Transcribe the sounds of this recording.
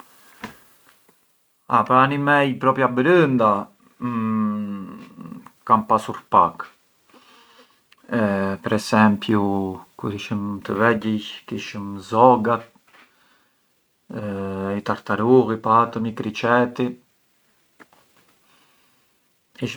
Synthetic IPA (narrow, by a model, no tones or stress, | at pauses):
apanimɛjpɾɔpjabəɾənd̪a | kanpasuɾpak | pɛɾɛsɛmpjukuɾhiʃəmt̪əvɛɟəjkiʃəmzɔɡat̪ | it̪aɾt̪aɾuɣipaat̪əmikɾit͡ʃɛt̪i | iʃ